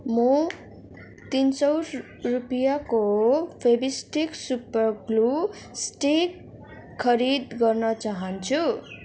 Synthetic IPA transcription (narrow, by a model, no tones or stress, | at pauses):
mʌ | t̪insʌwɾ | rupijakopʰebisʈiksupʌrɡlu | sʈik | kʰːʌɾid̪ɡʌrnʌt͡saɦʌnt͡sʰu